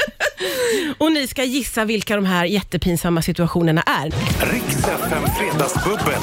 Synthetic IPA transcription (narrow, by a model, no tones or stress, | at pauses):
ɔnɪskajɪsːavɪlkad̪ɔmɦæːɾjɛt̪ːəpʰiːnsamːasɪt̪ɵaɧuːnəɳa̰ʔæɾɾɪksɛfɛmfɾeːd̪ɑsbɵbːə